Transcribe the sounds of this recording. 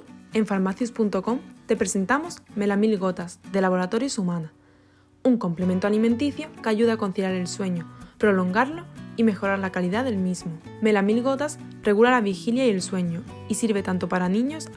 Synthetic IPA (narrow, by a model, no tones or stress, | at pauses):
e̞ɱfaɾmaθjuspunt̪o̞ko̞mt̪e̞pɾese̞nt̪amo̞sme̞lamilɣo̞t̪asd̪e̞laβo̞ɾat̪o̞ɾjosumãna | uŋko̞mple̞mẽ̞nt̪oaliment̪̬iθjo̞kaʝuð̞ako̞n̟θilaɾe̞lswe̞ɲopɾo̞lo̞ŋɡaɾlo̞ime̞xo̞ɾaɾlakaliðaðe̞lmizmo | me̞lamilɣo̞t̪as | re̞ɣulalaβixiljaie̞lswe̞ɲo | isiɾβ̞e̞t̪ant̪o̞paɾanĩɲo̞s